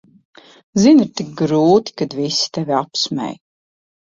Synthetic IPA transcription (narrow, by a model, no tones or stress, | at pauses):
ziniɾt̪ik̚ɡɾuːt̪i̥kad̪visi̥t̪ɛvʲiapsmɛ̰j